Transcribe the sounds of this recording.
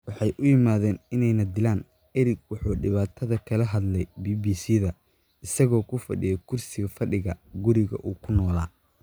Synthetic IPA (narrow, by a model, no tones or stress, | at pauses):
wɑħɑjʔʊjɪmaːðɛːnɪnɛjnɐd̪ɪlaːn | ɛɾɪɡwɑħuːɖɪβaːt̪ʰɐðɐkʰɐlɐɦɐd̪lɛjbiːbiːsiːðɐ | ɪsɐɣɔːkʰʊfɐ̰ɖɪ̰jɐkʰʊrsɪɣɐfɐɖɪɣɐɡʊɾɪɣɐ̰ʔuːkʰʊnɔːlaː